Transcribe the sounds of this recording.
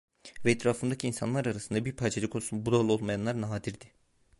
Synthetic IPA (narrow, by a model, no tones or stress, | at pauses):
vɛɛt̪ʰɾaːfɯnd̪acʰinsa̰nlˠaɾaɾasɯnd̪abiɾpʰaːt͡ʃʰalʲikʰosunbud̪alˠɯo̞lˠmajanlˠaɾnaɦaːd̪iɾd̪ɪ